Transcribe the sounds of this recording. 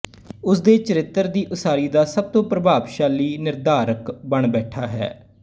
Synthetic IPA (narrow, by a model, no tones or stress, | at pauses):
ʊsd̪eːt͡ʃəɾɪt̪ːəɾd̪iːʔʊsaːɾiːd̪aːsəb̚t̪õːpɾəbʱaːbʃaːliːnɪɾd̪aːɾəkbəɳbɛːʈʰaːɦɛ̰ː